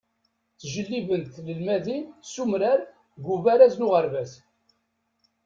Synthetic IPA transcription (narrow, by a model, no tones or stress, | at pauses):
θʒəlːivənt̪ləlmæðinsumɾæɾ | ɡuvæɾæznuʁəɾvæs